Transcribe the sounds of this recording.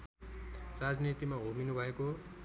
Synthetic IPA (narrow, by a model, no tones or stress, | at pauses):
rad͡znit̪imaɦominubʱʌeko